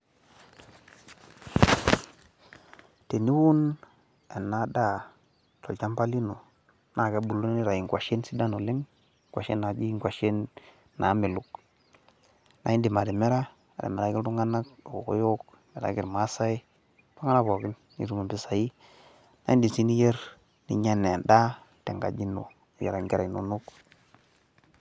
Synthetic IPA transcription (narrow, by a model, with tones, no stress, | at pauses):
te˨ni˦wu˦n | a˨na˦da˦˨ | to̰˨lt͡ʃa˦mpa˦li˦no˨ | na˨ka˦bu˨lo˦n˦ni˦ɾa˨ji˨ŋkwa˨ʃe˦nsi˦da˦no˨li˦ŋ˦ | kʷwa̰˨ʃḛ˦nːa˨d͡ʒi˦i˦ŋkʷwʷa˨ʃe˦nː | a˨˦mi˨lu˨k | na̰˨ji˦ndi˨ma˨de˨me˦ɾa˦ | a˨dḛ˨me˨ɾa˦ki˦ldu˦ŋɡa˦na˦ko˨o˨ko̰˦jo˦k | a˨ɾa̰˨˦ɡi˨ɾma˦sa˦i˦ | pa˦ŋa˦na˦bo˨ki˦nː | ḭ˨ɾu˦me˨bi˦sa˨ji˦ | na̰˨˦i˦di˨si˦ni˦je˦ɾ | nḭ˨ɲa˦ne˨nda˦ | te˨ŋɡa̰˨d͡ʒi˦no̰˨ | ja̰˨ɾa˨ŋɡi˦ɾa˨i˨no̰˨nu˦k